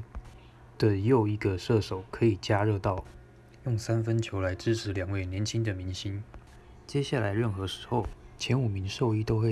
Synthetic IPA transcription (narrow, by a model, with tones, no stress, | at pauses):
t̪ə˨˩jo˥˩ʊi˧˥ɡə˧ʂɤ˥˩ʂo˨˩ʊkʰɤ˧˥i˨˩t͡ɕja˥ɻɤ˥˧t̪ɑ˥˩ʊ | jʊ˥˩ŋsa˥nfə˥˦nt͡ɕʰjo˧˥ʊla˧˥ɪʈ͡ʂɻ̩˥ʈ͡ʂʰɻ̩˧˥ljɑ˨˩ŋwe˥˩ɪnjɛ˧˥nt͡ɕʰi˥ŋd̪ə˨mi˧˥ŋɕi˥n | t͡ɕjɛ˥ɕja˥˩la˧˥ɪɻə˥˩nxɤ˧˥ʂɻ̩˧˥xo˥˩ʊt͡ɕʰjɛ˧˥nu˨˩mi˧˥ŋʂo˥˧ʊi˥˧t̪o˥ʊxwe˥˩